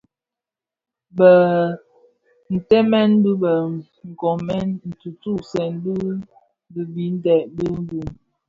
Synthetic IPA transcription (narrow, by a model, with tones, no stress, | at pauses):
bə˨ | n̩˨tɛ˦mɛ˦n˦du˦bə˨ | ŋ̩˨kɔ˨mɛ˦nn̩˨tu˨tu˦˨sɛ˨n˦bu˦ | bə˨bi˨˦n̩˦dɛ˨bə˦n˦bu˨m